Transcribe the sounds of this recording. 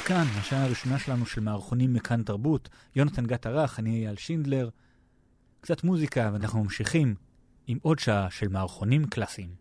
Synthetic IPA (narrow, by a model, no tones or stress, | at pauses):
kanɦaʃaaaʁiʃo̞naʃe̞lanuʃe̞lmeːʁχo̞nimːekʰantaʁbut | jonatanɡataʁaχaniajaːlʃind̪le̞ʁ | kt͡satmuzikaveanaχnumamʃiχim | imʔo̞dʃaaʃe̞lmaːʁχo̞nimklasiim